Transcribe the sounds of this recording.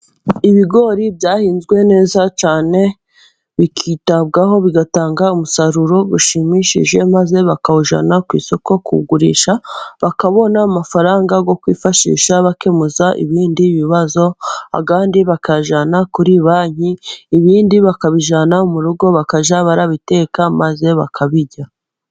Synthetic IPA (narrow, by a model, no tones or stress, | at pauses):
iβiɡo̞ɾibjaːhiːnzɡwe̞ne̞ːzat͡ʃaːne̞ | βikʰitaβɡaɦo̞βiɡataːŋɡaumusaɾuɾo̞ɡuʃimiʃḭʒe̞maze̞βakauʒa̰nakwḭːso̞ko̞kṵɡuɾḭːʃaβakaβo̞naːmafaɾaːŋɡaɡo̞kwḭːfaʃḭːʃaβake̞muzaʔḭβiːndiβiβazo̞a̰βaːndiβakaʒanakuɾiβaːɲ̥iːβiːndiβakaβiʒanamuɾuɡo̞βakaʒaβaɾaβite̞ːkamaze̞βa̰kʰaβiɟa